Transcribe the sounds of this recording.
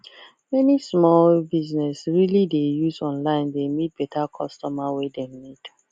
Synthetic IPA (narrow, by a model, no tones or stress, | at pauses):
mɛnismɔlbiznɛsɹilidejuzɔ̃nlãɪ̃ndemit̚b̥ɛtʰakʰɔstɔmawedɛmmit